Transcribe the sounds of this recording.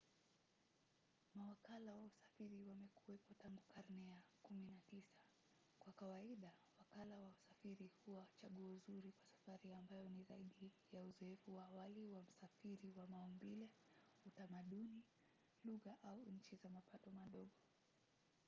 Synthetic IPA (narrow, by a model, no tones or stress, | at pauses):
mawakalawausḁfiɾiwamɛkuwɛpɔtaŋɡukaɾnɛjakuminatisḁ | kwakawaiɗawakalawausafiɾihuwat͡ʃaɠuɔzuɾikwasḁfaɾiambajɔnizaiɗijauzɔɛfuwaːwaliwam̩safiɾiwamaɔmbilɛ | utamaɗuni | luɣaʔauɲ̩t͡ʃizamapatɔmaɗɔɠɔ